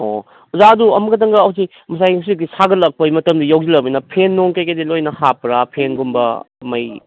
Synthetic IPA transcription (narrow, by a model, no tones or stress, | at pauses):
o̰ | zaɐduɐmɐɡɐdɐŋɡɐːwsi | mɐsajaws̬ik̚disʰaɡɐlɐk̚pɐjmɐtɐmdijawzilɐbijnɐpʰenːoŋkajkɐdilojnɐhapɾapʰenɡumbɐ̰ | mɐj